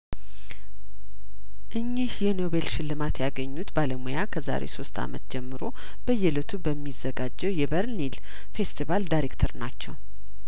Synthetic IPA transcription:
ʔɨɲːihjɛno̞βe̞lʃɪlːɨmat̪jaɡəɲːut̪baləmujakʰəza̰ɾḛso̞st̪ʰa̰mət̪̚d͡ʒɛmːɨɾo̞ | b̥əjɛlɨt̪ʰubəmːizːəɡad͡ʒːɛwjɛbəɾnil | fe̞st̪ʰivald̪ajɾekt̪ʰəɾnat͡ʃːɛw

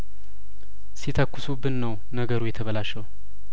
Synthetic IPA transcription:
sit̪ʰəkːɨsubɨnːəw | nəɡəɾujɛt̪ʰəβəlaʃəw

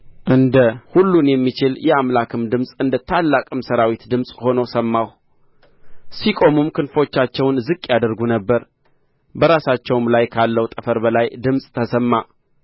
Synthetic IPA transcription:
ʔɨnd̪əhulːunjɛmːit͡ʃɪljɛamlakʰɨmd̪ɨmsʼɨnd̪ət̪ʰalːakʼɨmsəɾawit̪d̪ɨmsʼho̞nəwsəmːaw | sikʼo̞mɨmkʰɨnfo̞t͡ʃːat͡ʃːɛwnzɨkʼːjad̪əɾɡunəbːəɾ | bəɾasat͡ʃːɛwmlajkʰalːəwut̪ʼəfəɾbəlajd̪ɨmsʼt̪ʰəsəmːa

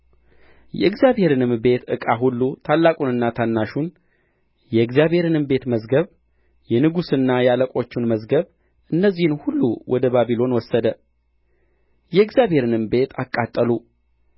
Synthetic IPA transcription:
jɛ̰ɨɡzjaβhe̞ɾɨnɨmbe̞t̪ʰɨ̰kʼaɦulːut̪ʰalːakʼunɨnːat̪ʰanːaʃun | jɛɨɡzjaβhe̞ɾɨnɨmbe̞t̪məzɡəβ | jɛnɨɡusɨnːajɛaləkʼo̞t͡ʃːunməzɡəβ | ʔɨnːəzːihɨnhulːuwʔɔd̪əβaβilo̞nwɔsːəd̪ə | jɛɨɡzjaβhe̞ɾɨnɨmbe̞t̪ʰakʼːat̪ʼːəlu

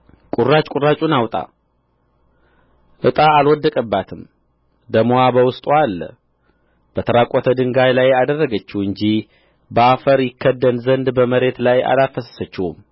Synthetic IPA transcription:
kʼurːat͡ʃʼkʼurːat͡ʃʼunawt̪ʼa̰ | ʔɨt̪ʼaːlwɔd̪ːəkʼəbːat̪ʰɨm | d̪əmoabəwʊst̪ʼualːə̰ | b̥ət̪ʰəɾakʼot̪ʰəd̪ɨŋɡajlajad̪ərːəɡət͡ʃːuhɨɲd͡ʒih | bəafəɾjɪkʰːəd̪ːənzənd̪bəməɾe̞t̪laja̰lafəsə̥sət͡ʃːɪhṵm

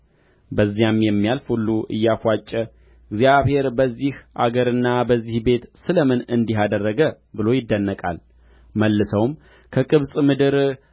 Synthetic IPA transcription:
bəzːijamjɛmːijalfulːuʔɨ̰jːafat͡ʃʼːɛ | ɡzjaβhe̞ɾbəzːihʔa̰ɡəɾɨnːabəzːihbe̞t̪sɨləmɨnɨnd̪iɦad̪ərːəɡə | bɨlo̞jɪd̪ːənːəkʼa̰l | məlːɨsəwm | kʰəkʼɨβsʼmɨd̪ɨɾ

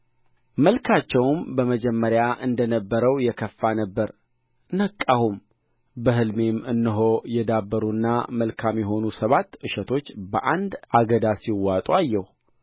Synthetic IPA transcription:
məlkʰat͡ʃːɛwmbəməd͡ʒɛmːəɾjaʔɨnd̪ənəbːəɾəwjɛkʰəfːanəbːəɾ | nəkʼːahum | bəɦɨlme̞mɨnːɨɦojɛd̪abːəɾuɨnːaməlkʰamjɛɦo̞nusəβat̪ːʔɨʃɛt̪ʰo̞t͡ʃːbəʔand̪aɡəd̪asiwːat̪ʼuajːɛh

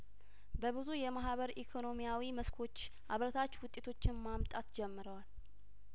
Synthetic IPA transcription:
bəβɨzujɛmaɦβəɾikʰo̞no̞mijawiməskʰo̞t͡ʃː | ʔaβɾət̪ʰat͡ʃːwʊt̪ʼːet̪ʰo̞t͡ʃːɪnmamt̪ʼat̪d͡ʒɛmːɨɾəwal

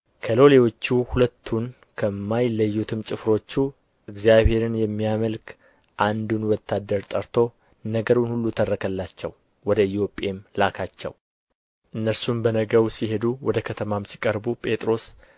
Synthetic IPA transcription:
kʰəlo̞lewo̞t͡ʃːuhulət̪ʰːun | kʰəmːajləjːut̪ʰɨmt͡ʃʼɨfɾo̞t͡ʃːu | ʔɨɡzijaβhe̞ɾɨnjɛmːijaməlk | ʔand̪unwɔt̪ʰːad̪ːəɾt̪ʼəɾt̪ʰo̞ | nəɡəɾunhulːut̪ʰərːəkʰəlːat͡ʃːɛw | wɔd̪əɪt̪jo̞pʼe̞mlakʰat͡ʃːɛ̰w | ʔɨnːəɾsumbənəɡəwsiɦe̞d̪uwɔd̪əkʰət̪ʰəmamsi̥kʼəɾbupʼe̞t̪ʼɾo̞s

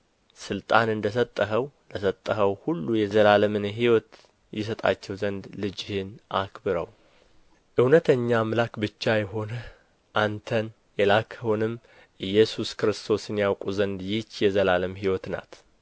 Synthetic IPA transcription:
sɨlt̪ʼanɨnd̪əs̬ət̪ʼːəɦəwləsət̪ʼːəɦəwhulːujɛzəlaləmɨnɦiwɔt̪ | jɛs̬ət̪ʼa̰t͡ʃːɛwzənd̪lɨd͡ʒɪhɪnʔa̰kbɨɾəw | ʔɨwnət̪ʰəɲːamlakbɨt͡ʃːajɛɦo̞nə | ʔant̪ʰən | jɛlakʰəhonɨmː | ʔɨjːɛsuskɾɨst̪ʰo̞sɨnjawkʼuzənd̪jɪt͡ʃːjɛzəlaləmɦiwɔt̪na̰t̪

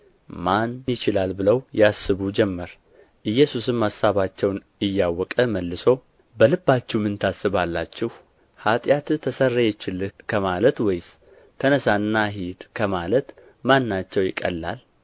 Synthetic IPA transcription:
manjɪt͡ʃɪlalbɨləwjasːɨβud͡ʒɛmːəɾ | ʔɨjːɛsusɨmːasaβat͡ʃːɛwn | ɨjːawːɔkʼəməlːɨso̞ | bəlɨbːat͡ʃːɛwmɨnt̪ʰasɨβalːat͡ʃːɛh | hat̪ʼjat̪t̪ʰːəsərːejɛt͡ʃːɪlkʰəmalət̪wɔjs | k̪ʰənəsanːaɦid̪kʰəmalət̪ | manːat͡ʃːɛwjɪkʼə̰lːa̰l

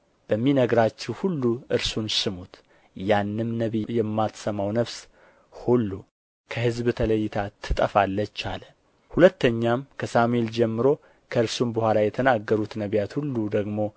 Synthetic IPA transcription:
b̥əmːinəɡɾat͡ʃːɛwhulːuʔɨɾsunsɨmut̪ | janːɨmnəβijɛmːat̪səmawnəfs | hulːu | kʰəhɨzbt̪ʰələjːɪt̪ʰat̪ʰːɨt̪ʼəfalːət͡ʃːa̰lə | hulət̪ːəɲːamkʰəsamue̞ld͡ʒɛmːɨɾo̞ | kʰəɨɾsumbəhʷalajɛt̪ʰənaɡːəɾut̪nəβjat̪hulːud̪əɡmo̞

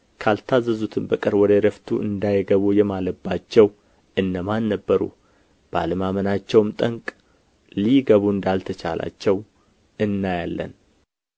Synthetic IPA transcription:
kʰalt̪ʰazːəzut̪ʰɨmbəkʼɨɾwɔd̪əɾəft̪ʰuʔɨnd̪ajɡəβujɛmaləbːat͡ʃːɛw | ɨnːəmanːəbːəɾṵ | b̥əa̰ləmamənat͡ʃːɛwmt̪ʼəŋkʼ | liɡəβuɨnd̪alt̪ʰət͡ʃa̰la̰t͡ʃːɛw | ɨnːajalːə̰n

